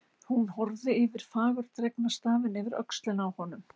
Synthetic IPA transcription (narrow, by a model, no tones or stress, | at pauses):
hunhɔɾðɪɪvɪɾ̥faːɣʏɾ̥t̪ɾɛknast̪aːvɪnɪvɪɾœ̰kst̪lɪnawhɔnʏm